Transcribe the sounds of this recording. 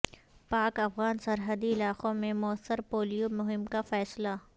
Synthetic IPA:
paːkɐfɣaːnsɐɾɦəd̪iɪlaːqõmẽmʊəsːəɾpoːlijomʊɦɪmkafɛːsla

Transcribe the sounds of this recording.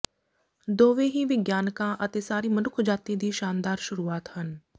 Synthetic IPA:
d̪oːʋeːɦiːʋɪɡjaːnkãːʔət̪eːsaːɾiːmənʊkʰd͡ʒaːt̪iːd̪iːʃaːnd̪aːɾʃʊɾuːaːt̪hən

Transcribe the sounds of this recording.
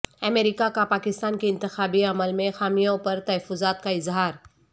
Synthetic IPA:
ɐmeːɾɪkakapaːkɪst̪aːnkeɪ̃nt̪ɪxaːbiɐməlmẽxaːmijõpɐɾt̪ɐɦəfːʊzaːt̪kaɪzɦaːɾ

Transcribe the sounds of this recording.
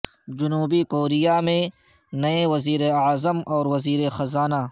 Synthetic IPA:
d͡ʒʊnuːbikoːɾijamẽ | nɐewɐziːɾeazəmɔːɾwɐziːɾexɐzaːna

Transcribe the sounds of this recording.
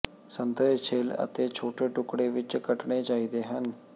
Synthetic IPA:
sənt̪ət͡ʃʰeːlə̰t̪eːt͡ʃʰoːʈeːʈʊkɽeːʋɪt͡ʃkəʈɳeːt͡ʃaːiːd̪eːɦən

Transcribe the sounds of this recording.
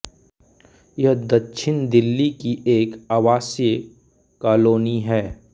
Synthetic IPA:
jɐɦd̪ɐtːʃʰɪnd̪ɪlːikiʔeːkaːʋaːsjə | kaːloːniɦɛː

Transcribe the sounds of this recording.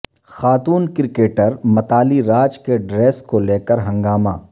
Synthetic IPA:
xaːt̪uːnkɪɾɪkeːʈəɾmɐt̪aːliɾaːd͡ʒkeɖɾeːskoleːkəɾɦɐ̃ŋɡaːma̰ː

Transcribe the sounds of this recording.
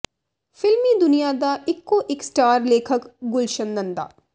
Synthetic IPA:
fɪlmiːd̪ʊnijaːd̪aʔɪkːoʔɪksʈaːɾleːkʰəkɡʊlʃənːɐ̃nd̪a̰ː

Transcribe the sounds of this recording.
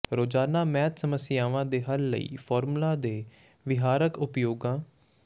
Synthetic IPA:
ɾoːd͡ʒaːnaːmɛːt̪səməsɪjaːʋãːd̪eːɦəlːə̰ḭːpʰɔːɾmulãːd̪eː | ʋɪɦaːɾəkʊpjoːɡãː

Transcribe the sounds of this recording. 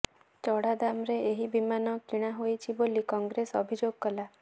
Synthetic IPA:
t͡ʃɔɽad̪amɾeeɦibimanɔkiɽ̃aɦojt͡ʃʰibolikɔŋɡɾesɔbʱid͡ʒoɡkɔla

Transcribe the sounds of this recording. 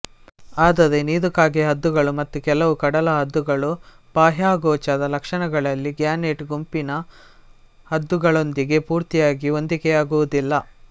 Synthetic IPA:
aːd̪ɐðeniːd̪ukaːɡeɦɐd̪ːuɡɐɭumɐt̪ːukɛlɐʋukɐɽɐlɐɦɐd̪ːuɡɐɭu | b̥aːɦjaːɡɔːt͡ʃɐd̪ɐlɐkʂɐɳɐɡɐɭɐlːiɡjaːneʈɡumpinɐ | hɐd̪ːuɡɐɭo̞nd̪iɡe̞puːɾt̪ijaːɡio̞nd̪ikɛjaːɡuʋud̪ilːɐ

